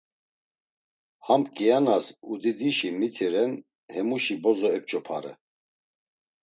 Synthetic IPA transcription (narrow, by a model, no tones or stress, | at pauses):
hampkʼɛjanasud̪id̪iʃimit̪ʰiɾɛn | hɛmuʃibɔzɔɛp̚t͡ʃʼɔpʰa̰ɾɛ̰